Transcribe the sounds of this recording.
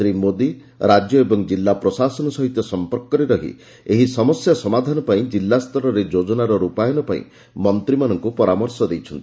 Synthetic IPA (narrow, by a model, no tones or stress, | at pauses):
ɾimod̪i | ɾad͡ʒjɔebɔŋd͡ʒilːapɾɔsasɔnɔsɔɦit̪jɔsɔmpɔɾkɔɾeɾɔɦḭ | eɦisɔmɔsjasɔmad̪ʱanɔpaĩd͡ʒilːast̪ʰɔɾɔɾed͡ʒod͡ʒɔnaɾɔɾupajɔnɔpaḭ̃ | mɔnt̪ɾimanɔŋkupɔɾamɔɾsɔd̪ejt͡ʃʰɔnt̪i̥